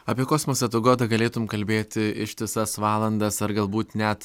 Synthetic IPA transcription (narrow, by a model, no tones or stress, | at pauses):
ɐːpʲiɛkoːsmoːsɐt̪ʊɡoːt̪ɐɡɐlʲeːt̪ʊmkɐlʲbʲeːt̪ʲɪɪʃt̪ʲɪsɐsʋɑːlˠɐnd̪ɐsɐɾɡɐlˠbuːt̪nʲɛt̪